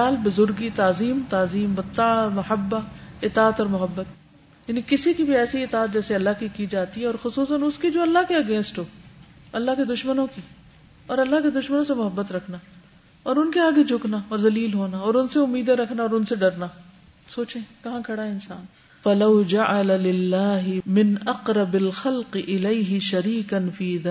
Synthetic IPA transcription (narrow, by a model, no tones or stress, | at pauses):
aːlbʊzʊɾɡit̪aːziːmt̪aːziːmbɐt̪ːamʊhəbːaɪt̪aːət̪ɔːɾmʊɦəbːət̪ | jɐnikɪsikibʱiɛːsiɪt̪aːt̪̚d͡ʒɛːseɐlːaɦkikid͡ʒaːt̪iɦɛɔːɾxʊsuːsənʊskid͡ʒoːɐlːaɦkiɐɡẽːnsʈɦoː | ɐlːaɦked̪ʊʃmənõki | ɔːɾɐlːaɦked̪ʊʃmənõsemʊɦəbːət̪ɾɐkʰna | ɔːɾʊnkeaːɡed͡ʒʱʊknaɔːɾzɐliːlɦoːnaɔːɾʊnseʊmːiːd̪aɾɐkʰnaɔːɾʊnseɖɐɾna | soːt͡ʃẽkɐɦãkʰɐɽaɦɛɪnsaːn | fɐlɐwd͡ʒaʕalalɪlːaːɦɪmɪnʔɐqɾɐbɐlxɐlqɪʔɪleɪɦɪʃɐɾiːkɐnfiːðaː